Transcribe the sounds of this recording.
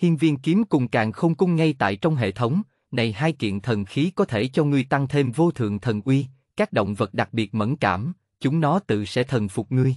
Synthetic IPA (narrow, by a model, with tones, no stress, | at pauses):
hi˧ənvi˧ənki˨˦əmkʊ˨˩ŋ͡mkaː˨˩ŋxə˧wŋ͡mkʊ˨˧˦ŋ͡mŋa˧jt̪a̰ː˧˨jt͡ɕɔ˧wŋ͡mɦḛ˧˨t̪ʰə˨˦wŋ͡m | na˨˩jɦaː˧jkḭ˧˨ənt̪ʰə˨˩nxi˨˦kɔ˨˦t̪ʰe˧˩t͡ɕɔ˧ŋɨ˧əjt̪a˧ŋt̪ʰe˧mvo˧t̪ʰɨ̰˧˨əŋt̪ʰə˨˩nʔwi˧ | kaː˦˥k̚ɗo̰˧˨wŋ͡mvə˨˩t̚ɗa˨˩k̚ɓi˨˩ət̚mə̰˧˥˩nka̰ː˧˩m | t͡ɕʊ˨˦ŋ͡mɗɔ˨˦t̪ɨ̰˧˨sɛ̰˧˥t̪ʰə˨˩nfʊ˨˩k͡p̚ŋɨ˧əj